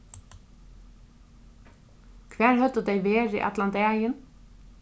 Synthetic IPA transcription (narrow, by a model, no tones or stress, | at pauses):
kʰvæːɹhœt̪əd̪ɛjʋeːɾɪ̰ʔa̰t̪lant̪ɛːjɪn